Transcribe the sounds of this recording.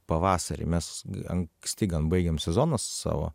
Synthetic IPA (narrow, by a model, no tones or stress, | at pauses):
pɐʋɑːsɐɾʲɪ̰mʲɛsɐ̰ŋksʲt̪ʲɪɡɐnbɐɪɡʲɛmsʲɛzoːnɐsːɑ̰ːʋo̰ː